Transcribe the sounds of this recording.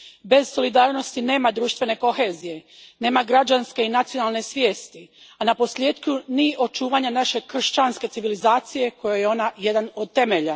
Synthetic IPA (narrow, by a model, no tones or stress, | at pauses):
be̞z̥so̞lid̪aːɾno̞st̪ine̞ːmad̪ɾuːʃt̪ʋe̞ne̞ko̞xe̞zije̞ne̞ːmaɡɾad͡ʑanske̞inat̪sionalˠne̞sʋje̞ːst̪i | anapo̞slʲje̞ːd̪kuniʔo̞t͡ʃuːʋaɲanaʃe̞kr̩ʃt͡ɕanske̞t̪iʋilizaːt̪sije̞ko̞jojeo̞najed̪anod̪̚t̪e̞me̞ʎa